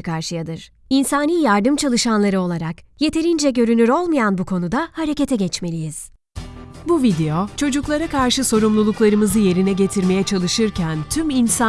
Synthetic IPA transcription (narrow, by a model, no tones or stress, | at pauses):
kʰaɾʃɯjad̪ɯɾ̥ | insaːniːjaɾd̪ɯmt͡ʃʰalˠɯʃanlˠaɾɯo̞lˠaɾakje̞t̪ʰe̞ɾind͡ʒɛɟø̞ɾynyɾo̞lˠmajanbukʰo̞nud̪ahaɾe̞cet̪ʰɛɟɛt͡ʃme̞lʲijiz̥ | buvid̪e̞jo̞t͡ʃʰo̞d͡ʒuklˠaɾakʰaɾʃɯso̞ɾumlˠulˠuklˠaɾɯmɯzɯje̞ɾinɛɟe̞t̪ʰiɾme̞jɛt͡ʃʰalˠɯʃɯɾcʰænt̪ʰyminsa